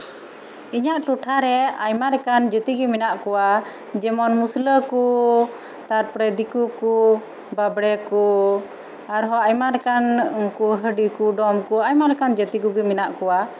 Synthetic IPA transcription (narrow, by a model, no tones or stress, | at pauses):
iɲaʔʈuʈʰaɾɛajmaɾɛkand͡ʒət̪iɡɛminaʔkɔwa | d͡ʒɛmɔnmusləku | t̪aɾpɾɛd̪ikuku | babɽɛku | aɾɦɔajmaɾɛkankuɦəɖikuɖɔmkuajmaɾɛkand͡ʒət̪iɡuɡɛminaʔkɔwa